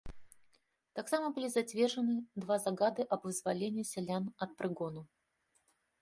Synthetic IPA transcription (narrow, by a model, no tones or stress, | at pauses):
t̪aksamɐbɨlʲizat͡sʲvʲɛrʐɨnɨd̪vazaɡad̪ɨʔɐbvɨzvalʲenʲiːsʲɛlʲanɐt̪̚pɾɨɡɔnu